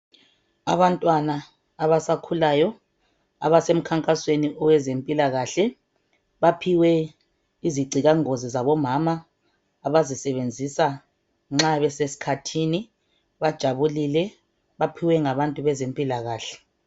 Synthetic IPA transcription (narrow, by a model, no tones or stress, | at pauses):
aβantʼwanaː | βasakʰulaːjɔ | a̰βasem̩kʰaŋkʼasweniʔɔwɛzempʼilaɣaːɬɛ | βapʰiwɛ | iziɡ͡ǀʱiɣaŋozizaβɔmamaː | βazisɛβend͡zʱisa | ŋ͡ǁaβɛsesi̥kʰatʰiːni | βad̥ʒ̥ʱaβulilɛ | βapʰiwɛŋaβantʼuβɛzempʼilaɣaːɬɛ̥